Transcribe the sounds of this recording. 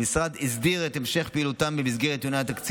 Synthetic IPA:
misʁad̪izd̪iʁet̪emʃe̞χpiiːlut̪ambemizɡeʁet̪joneat̪akt͡s

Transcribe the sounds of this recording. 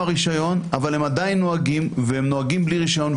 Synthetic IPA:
aʁiʃajo̞navalemad̪ajinːo̞aɡimvehemnoaɡimbliʁiʃajo̞n

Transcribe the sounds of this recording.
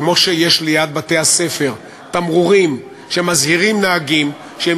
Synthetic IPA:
mo̞ʃeje̞ʃlejad̪̚bat̪e̞hase̞fe̞ʁ | t̪amʁuʁim | ʃeemazhiʁimnaːɡim | ʃee

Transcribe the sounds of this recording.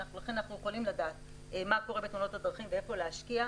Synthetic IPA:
aχulaχenanaχnujeχolimladaːt | emako̞ʁebetmuno̞thadʁaχimvee̞fo̞leaʃkia

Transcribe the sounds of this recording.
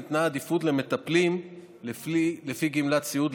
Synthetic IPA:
it̪naːd̪ifud̪leme̞t̪aplim | lefiɡimlat͡siud̪

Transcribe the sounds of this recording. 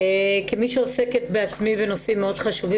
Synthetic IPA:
ekimiʃeose̞ketbeat͡smibeno̞simːeo̞d̥χaʃuvi

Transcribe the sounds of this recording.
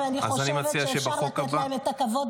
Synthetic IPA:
ania̰zanimat͡siaʃebaχo̞kabaet̪akavod

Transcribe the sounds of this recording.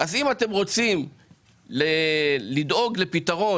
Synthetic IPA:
ʔazimate̞mʁo̞t͡sim | lelid̪o̞ɡle̞pitaʁo̞

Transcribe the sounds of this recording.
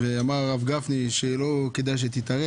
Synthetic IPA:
veamaʁʁavɡafniʃelo̞ked̪ajʃ̬et̪it̪aʁe

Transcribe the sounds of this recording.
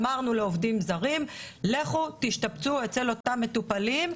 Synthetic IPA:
maʁnule̞o̞vdimzaʁimle̞χutiʃt̪apt͡suet͡se̞lo̞t̪amːe̞tupalim

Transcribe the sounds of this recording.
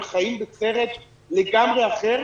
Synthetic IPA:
χajimbet͡seʁet̪ | leɡamʁeaχeʁ

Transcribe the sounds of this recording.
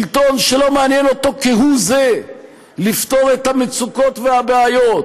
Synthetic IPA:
lt̪o̞nʃelo̞meanjeno̞t̪o̞kiɦuze | lift̪o̞ʁet̪hamet͡suko̞tveabeajo̞t

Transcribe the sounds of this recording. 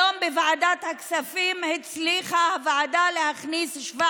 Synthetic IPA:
ombevaʕad̪at̪haksafimhet͡sliχahavaʕad̪alehaχnisʃva

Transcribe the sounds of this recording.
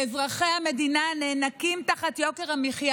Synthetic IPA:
ezʁaχehame̞dinaneːnakimtaχatjoke̞ʁhamiχja

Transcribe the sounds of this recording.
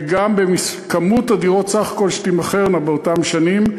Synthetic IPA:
ɡambemiskamutadiʁotsaχḁko̞lʃtimaχeʁnabeotamʃanim

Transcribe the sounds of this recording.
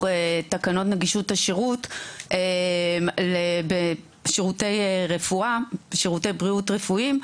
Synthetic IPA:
etakano̞tneɡiʃutaʃeʁutʔemlebe | ʃeʁutejʁefuaʃeʁutejbʁiutʁefuim

